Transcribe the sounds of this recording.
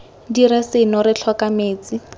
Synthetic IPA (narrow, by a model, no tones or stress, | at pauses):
diɾɛsɪnɔɾɪt͡ɬʰwakameːt͡si